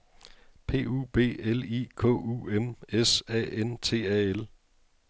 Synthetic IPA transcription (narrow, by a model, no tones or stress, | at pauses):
pʰe̝̰ːṵːb̥e̝̰ːelḭːkʰɔ̰̽ːuːemesɛ̰ːent͡sʰe̝̰ːɛel